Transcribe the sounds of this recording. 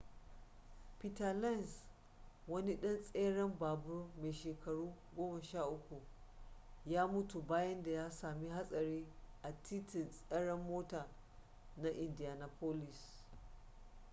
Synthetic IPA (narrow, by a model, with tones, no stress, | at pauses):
pi˦˨ta˨la˦˨ns | wɐ˦ni˦ɗɐ˦nsʼeː˦ɽɐ˦mbaː˨bʊ˦rmeː˨ʃeː˨kɐ˨ɽuː˦ɡʷoː˦mɐ˨ʃaː˦˨ʔʊ˦kʷu˨ | jaː˦mʊ˦tu˨baː˦jɐ˦nda˨jaː˦saː˨mi˦ɦa˦sʼɐ˨ɾiː˦ʔa˨tʰi˦tɪ˨sʼɐ˦ɽɐ˦mːoː˦taː˨ | na˦ʔɪ˨ndi˨jaː˨na˨poː˦lɪ˨s